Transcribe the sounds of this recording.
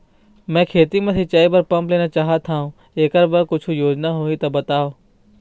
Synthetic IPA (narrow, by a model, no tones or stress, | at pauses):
mɛ̃ːkʰeːt̪imẽt̪ʰit͡ʃəːibəɾpɐmpleːnat͡ʃaːɦat̪ʰaːɦũ | eːkəɾbəɾkʊt͡ʃʰujoːd͡ʒnaɦoit̪ɐbɐt̪aːoː